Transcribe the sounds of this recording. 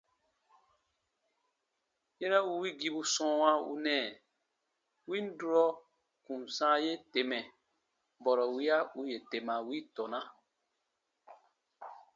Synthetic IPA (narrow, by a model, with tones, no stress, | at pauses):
je˦ɾa˦u˧wi˦ɡi˧bu˧˦sɔ̃˦wã˦ṵ˧nɛ̃ː˨ | wi˦n̩˦du˦ɾɔ˦ | kũ˨n˨sãː˦je˦te˨mɛ̃˨ | bɔ˨ɾɔ˨wi˦a˦u˦je˨te˨mã˨wi˦tɔ˨nã˦